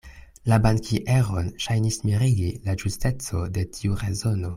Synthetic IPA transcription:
labaŋkʰiʔeʁonʃajnismiɾiɡilaʒuste̞t͡so̞de̞tʰiuʁezo̞no̞

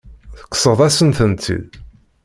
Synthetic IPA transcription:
θə̥kːsˤəʁðˤæsənθənt̪ʰḭð

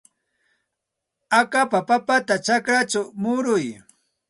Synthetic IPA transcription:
akapapapat̪at͡ʃakɾat͡ʃamʊɾʊj

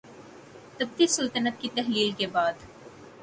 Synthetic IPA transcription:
t̪ɐb̚t̪isəlt̪ənət̪̚kit̪ɛɦliːlkebaːd̪

